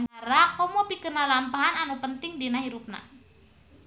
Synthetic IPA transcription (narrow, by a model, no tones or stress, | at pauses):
naɾakɔmɔpikənalampaɦananupənt̪ɪŋdinahiɾup̚na̰